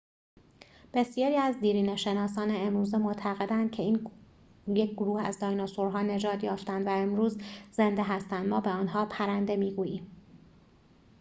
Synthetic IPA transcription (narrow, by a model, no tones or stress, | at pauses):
b̥e̞sjɒːɾiːæzd̪iːɾiːneʃe̞nɒːsɒːneemɾuːzemot̪ʰæɣe̞d̪ænd̪̚cʰe̞iːn | jecʰɡoɾuːhæ̰zd̪ɒːjnosoɾɦɒːne̞d͡ʒɒːd̪jɒːft̪ænd̪væemɾuːzze̞nd̪eɦæst̪ænd̪mɒːbe̞ɒːnɦɒːpʰæɾænd̪e̞miːɡuːjiːm